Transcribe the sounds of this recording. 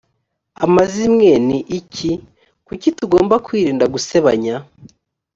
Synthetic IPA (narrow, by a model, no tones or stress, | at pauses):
amazimŋeniʔicʰi | kucituɡo̞ːmbakwiːɾiːndaɡuse̞βa̰ɲa